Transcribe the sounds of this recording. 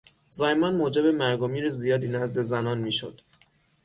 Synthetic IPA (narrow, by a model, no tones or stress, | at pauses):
zɒjmɒnmoːd͡ʒebe̞mæɾɡomiːɾezijɒːd̪iːnæzd̪e̞zænɒːnmiːʃo̰d̪̥